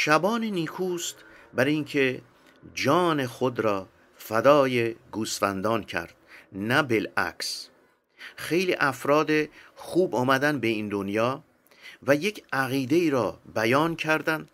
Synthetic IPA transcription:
ʃæbɒːneniːkʰuːst̪ | bæɾiŋkʰe̞ | d͡ʒɒːne̞xod̪ɾɒː | fæd̪ɒːjeɡuːsfænd̪ɒːncʰæ̰ɾd̪̥̚næbelæ̰kʰs | xe̞jliːʔæfɾɒːd̪exuːbɒːmæd̪ænbe̞ind̪onjɒː | væje̞cʰæɣiːd̪e̞iːɾɒːbæjɒːncʰæɾd̪ænd̪̥

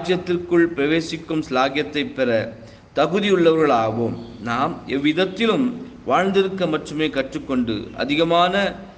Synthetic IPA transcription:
aːjɐt̪ːɪrkɯɭpɪɾɐʋeːsɪkːɯmslaːɣjɐt̪ːɐɪpːɛɾɐ | t̪ɐɣɯðɪjɯɭːɐʋɐɾɣɐɭaːʋoːmnaːmɛʋːɪðɐt̪ːɪlɯm | ʋaːɻnd̪ɪɾɯkːɐmɐʈrɯmeːkɐʈrɯkːɔɳɖɯ̰ʔɐ̰ðɪɣɐmaːnɐ

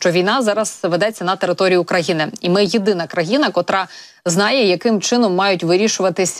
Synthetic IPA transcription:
ʃt͡ʃɔʋʲijnɑzɑɾɐsʋed̪ɛt͡sʲːɐnɐt̪eɾɪt̪ɔɾʲijʊkɾɐjinɪimɪjid̪ɪnɐkɾɐjinɐkɔt̪ɾɑ | znɑjɛjɐkɪmt͡ʃɪnɔmːɑjʊtʲʋɪɾʲiʃʊʋɐt̪ɪsʲ

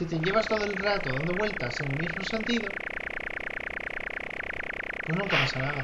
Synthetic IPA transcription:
it̪e̞ʝe̞β̞ast̪o̞ð̞o̞elrat̪oðand̪o̞βwe̞lt̪aseŋulmizmose̞nt̪ið̞o | pweznũŋkapasanaða

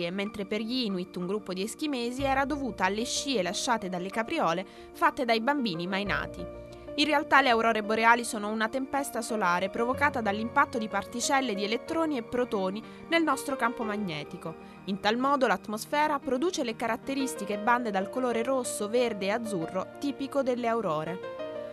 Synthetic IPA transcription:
ement̪ɾeperʎiːnuit̪ːuŋɡɾupːod̪iesk̟imeːziɛːɾad̪ovuːt̪aːlːeʃːiːelaʃːaːt̪ed̪alːekapɾiɔːle | fat̪ːed̪ajbambiːnimajna̰ːt̪i | inrealt̪aleawɾɔːɾeboɾeaːlisoːnounat̪empɛst̪asolaːɾepɾovokaːt̪ad̪alːimpat̪ːod̪ipart̪it͡ʃɛlːed̪ielet̪ːɾoːniepːɾot̪oːni | nelnɔst̪ɾokampomaɲːɛːt̪iko | int̪almɔːd̪olat̪ːmosfɛːɾapɾod̪uːt͡ʃelekaɾat̪ːeɾist̪ikeːbːand̪ed̪alkoloːɾeɾosːoverd̪eːad̪zːurːot̪iːpikod̪elːeawɾɔːɾe

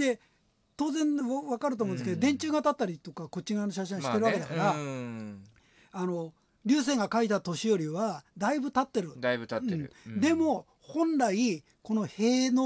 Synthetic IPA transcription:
d̪e̞ | t̪o̞ːzẽ̞nβakaɾɯ̟t̪omõnesked̪od̪ẽ̞ɲ̟t͡ɕɨːɡat̪at̪ːaɾʲit̪o̞kako̞t͡ɕːiɡanoɕaɕ̬ĩɕit̪e̞ɾɯβakeakaɾa | ano̞ | ɾʲɨːs̬ẽ̞ːŋɡakait̪at̪o̞ɕijo̞ɾʲiβad̪aibɯ̟t̪at̪ːe̞ɾɯ̟d̪abɯt̪aɯ̃ɴ̰d̪e̞mo̞ | hõ̞nɾai | ko̞no̞he̞ːno

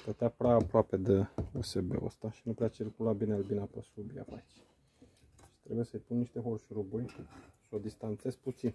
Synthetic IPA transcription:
plət̪eapɾeaːpɾoape̞d̪eosebḛo̰st̪aʃinupɾeat͡ʃirkulabinelbinapəsubia̰pat͡ʃ | ʃi̥t̪ɾebuje̞səjpunːiʃt̪e̞xorʃɾuburʲʃiod̪ist̪ant̪se̞z̥put̪sin

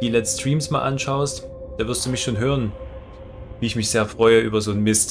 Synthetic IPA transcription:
d̥iːlɛstʁ̥iːmsmaːlʔa̰nʃaʊstd̥aːvɪɐstd̥uːmɪçʃoːnɦøːʁən | viːɪçmɪçz̥eːɐfʁ̥ɔʏəʔy̰ːbɐzoːnmɪst

